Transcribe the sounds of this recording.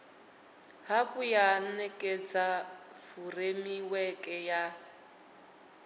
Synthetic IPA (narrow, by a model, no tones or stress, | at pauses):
hakujanɛkʼet͡sʼafuremiwɛkʼɛja